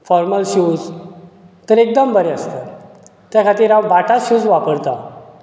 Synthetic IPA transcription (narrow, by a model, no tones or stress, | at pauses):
fɔɾməlɕud͡z | t̪əɾek̚d̪əmbəɾeəst̪ə | t̪jakʰat̪iːɾawbaʈʰaɕuːd͡zʋapəɾt̪a